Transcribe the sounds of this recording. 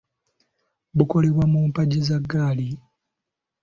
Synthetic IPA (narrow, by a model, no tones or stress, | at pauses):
buko̞leβwamuːmpaɟezaɡːaːli